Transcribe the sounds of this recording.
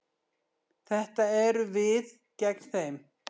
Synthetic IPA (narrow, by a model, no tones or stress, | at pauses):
θɛht̪aɛɾʏvɪð | cɛkn̥θejm